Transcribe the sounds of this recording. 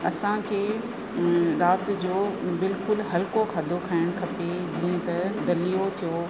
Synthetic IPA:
ɐsãkʰeː | ɾaːbt̪d͡ʑoːbɪlkʊlɦɐlkokʰɐd̪ʱokʰaːɪɽ̃kʰɐped͡ʑiːə̃t̪ɐd̪ɐlijot̪ʰijoː

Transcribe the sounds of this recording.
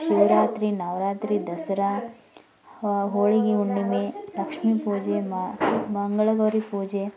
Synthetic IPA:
ʃiʋɾaːt̪ɾinaːʋɾaːt̪ɾid̪ɐsɾa | ɦoːɭiɡiuɳɖimelɐkʂmipuːd͡ʒe | mɐŋɡɐɭɐɡɐʋɾipuːd͡ʒe

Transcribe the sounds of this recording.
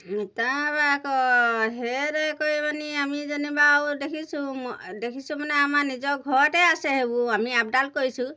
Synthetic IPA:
t̪abakɔɦeɾekojmaniamid͡ʒɔnibawdekʰisʰũmdekʰisumaneamanid͡ʒɔɡʱɔʈeaseɦebũamiap̚ɖalkoɦisʰũ

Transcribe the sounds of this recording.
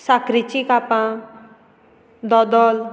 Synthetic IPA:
sakɾit͡ʃikapã | d̪ɔd̪ɔl

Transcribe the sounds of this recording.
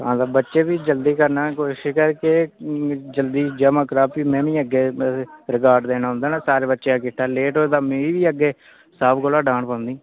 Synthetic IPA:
ãːd̪aːbətːʃeːbiːd͡ʒəld̪iːkəɾnaːkoʃɪkəɾke | d͡ʒəld̪iːd͡ʒəːmaːkəɾaːpiːmɛ̃ːʋĩːəɡːeːɾɪkaːɾɖd̪eːnaːʊ̃nd̪aːnaːsaːɾeːbətːʃeːaːkɪʈʰːaːleːʈoːd̪aːmẽːiːʋiːəɡːeː | saːpkoːlaːɖãːɳpãːʊ̃nd̪iː

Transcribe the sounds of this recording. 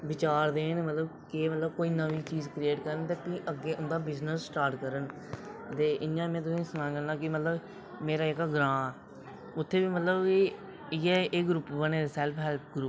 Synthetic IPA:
ʋɪt͡ʃaːɾd̪eːnmət̪ləbkɪmət̪ləbkoːiːnəʋiːt͡ʃiːzkɾieːʈkəɾənt̪eːpĩːʔəɡeːʔʊnd̪aːbɪznəssʈaːɾʈkəɾən | t̪eːʔɪjãːmɛ̃ːt̪ʊsĩːsʊnãːɡəlnãːkɪmət̪ləb | meːɾaːɪkaːɡɾãː | ʊt̪ʰːeːbiːmət̪ləb | jɛːeɡɾuːpbəneːesɛːlpʰɦɛːlpʰɡɾuːp

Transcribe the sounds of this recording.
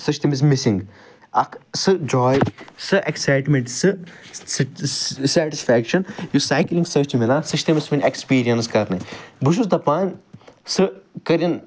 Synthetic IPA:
sɨt͡ʃt̪imis̬misĩŋɡ | ɐkʰsɨd͡ʒɔːjsɨʔeksajʈmẽɳʈsɨ | sɛʈisfɛːkʃɐnjusaːjklĩŋɡsɐːt͡ʃmilaːsɨt͡ʃʰt̪imisminʲekspiːɾijɐnskɐɾnɨbuʃusd̪ɐpaːnʲsɨkɐɾʲin

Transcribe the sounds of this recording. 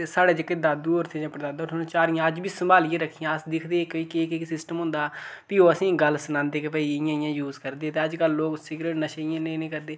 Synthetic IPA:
saːɽeːd͡ʒəkːed̪aːd̪uːoːɾt̪ʰeːd͡ʒãːpɾəd̪aːnd̪ʈʰonːt͡ʃaːɾɪjãːəd͡ʒbiːsəmbaːliãːɾəkʰːijãːsd̪ɪkʰd̪eːkiːkekeksɪsʈəmɦʊ̃nd̪aːpiːoːəsĩːɡəlsənãːnd̪eːkepəiːɪjãːɪjãːjuːzkəɾd̪eːẽːt̪eːəd͡ʒkəlːoːksɪɡɾeːʈnəʃeɪjãːnẽnẽːkəɾd̪eː

